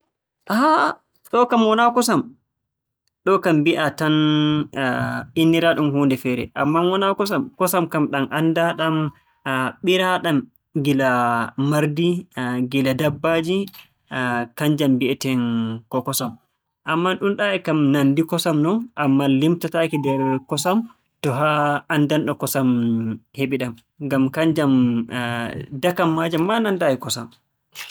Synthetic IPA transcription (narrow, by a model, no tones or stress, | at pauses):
ʔaha | ɗɔkamwɔnakɔsam | ɗɔkambiʔatan | inːiɾaɗumhuːndɛfɛɾɛ̰ʔamːanwɔnakɔsamkɔsamkamɗamʔandaɗam | ɓiɾaɗam | ɡilamaɾdiɡiladabːad͡ʒi | kaɲd͡ʒambiɛtɛnkɔkɔsam | ʔamːaɗumɗaɛkamnandikɔsamnɔnʔamːalimtatakidɛɾkɔsam | tɔɦaːndanɗɔkɔsamheɓiɗam | ɡamkaɲd͡ʒam | dakamːad͡ʒamːanandaikɔsam